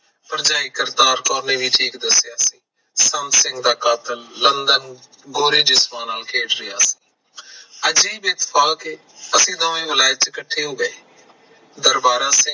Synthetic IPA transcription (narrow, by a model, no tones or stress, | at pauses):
pəɾd͡ʒaːikɪɾt̪aːɾkɔːneːʋiːʈʰiːkd̪əsːjaːsĩː | sənt̪sɪ̃ŋɡd̪aːkaːt̪əlːənd̪ən | ɡoːɾiːd͡ʒɪsmaːnaːlkʰeːʈɾɪjaːsĩ̥ː | əd͡ʒeːbeːt̪fʰaːkɪ | əsĩːt̪ãːʋẽːʋɪlaːjət̪̚t͡ʃəkəʈʰːeːɦoːɡəeː | d̪əɾbaːɾãːsɪ̃ŋ